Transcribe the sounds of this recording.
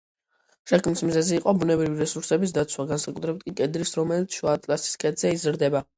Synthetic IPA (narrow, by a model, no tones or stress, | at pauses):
ʃakʰmnismzɛziːqʼɔbunɛbɾiviɾɛsuɾsɛbis̬d̪at̪sʰwaɡansakʼut̪ʰɾɛb̚t̪̚ʰkʼikʼɛd̪ɾisɾɔmɛlit̪sʰʃuat̪ʼlasi̥skʼɛd̪z̥ɛizɾd̪ɛba